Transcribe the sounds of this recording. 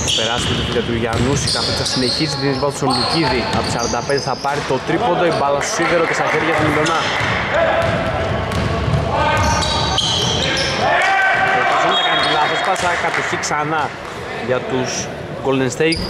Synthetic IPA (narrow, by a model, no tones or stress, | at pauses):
ɐpe̞ɾɐskot̪et̪uʝɐt̪uʝɐnusikɐθosθɐsine̞çisit̪inizvɐt̪somliciðiɐ̰pt̪isɐɾɐnd̪ɐpe̞nd̪eθɐpɐɾit̪o̞t̪ɾipo̞nd̪oibɐlɐsosiðeɾocest̪ɐçeɾiʝɐt̪omind̪onɐ | ot̪isinet̪ɐkɐnd̪ilɐðɐsp̪ɐsɐkɐt̪oθiksɐnɐ | ʝɐt̪us | ɡolnenst̪ejk